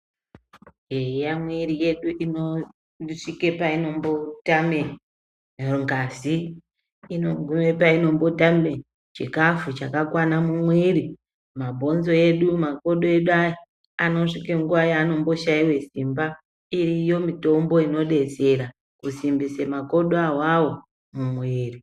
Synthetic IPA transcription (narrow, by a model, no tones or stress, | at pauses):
ɦeijamweɾije̞ɗuʔino | ʂike̞paino̞mbo̞tame | ŋɡaziː | noɡʱume̞paino̞mbo̞tame | t͡ʃḭkafut͡ʃakakwanamumweɾi | mabʱo̞nzo̞e̞ɗumako̞ɗoe̞ɗuai | ano̞ʂikeŋɡuʋajano̞mbo̞ʃaiwe̞simba | irijo̞mito̞mbo̞ino̞ɗe̞t͡se̞ɾa | kusimbisemako̞ɗoawawo̞ | mumweːri